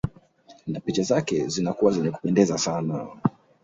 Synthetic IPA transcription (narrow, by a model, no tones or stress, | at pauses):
napit͡ʃazakɛzinakuwazɛɲɛku̥pɛndɛzasana